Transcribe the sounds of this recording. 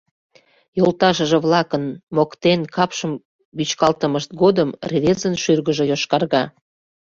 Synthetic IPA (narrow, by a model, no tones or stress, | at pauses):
jolt̪ɑʃəʒĕβlɑkənmokt̪enkɑpʃəm | byt͡ɕkɑlt̪əməʃt̪̚ɡod̪əmreβezənʃyrɣəʒejoʃkɑrɣɑ